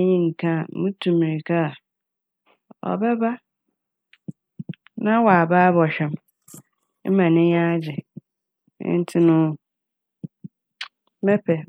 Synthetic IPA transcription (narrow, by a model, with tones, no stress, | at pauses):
ɲĩ˦ŋ̩˨kʰã˦˨˦mũ˦tʰũ˨mĩ˨ɾi˨kʰa˦a˨ | ɔ̰˨bɛ˦ba˦ | nã˦wɔ˨a˨baː˦bɔ˨ɕᶣɛ˨m | m̩˦mã˨nɪ̃˦jã˦d͡ʑɪ̰˨˦ | n̩˦tʰɪ˦nʊ̃˦ | mɛ˦pʰɛ˨